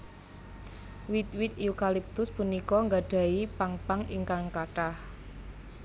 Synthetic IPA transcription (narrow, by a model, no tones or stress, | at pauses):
wit̪̚wit̪̚iukalip̚t̪ʊspunikɔŋɡaɖ̥a̤ipaŋpaŋiŋkaŋkaʈah